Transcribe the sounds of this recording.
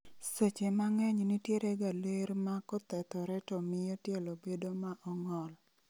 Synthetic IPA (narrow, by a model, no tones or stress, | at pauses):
set͡ʃemaŋɛɲnitjeɾeɡaleɾmakɔt̪ɛt̪ɔɾɛtɔmɪjɔtjɛlɔbedomaʔɔŋɔl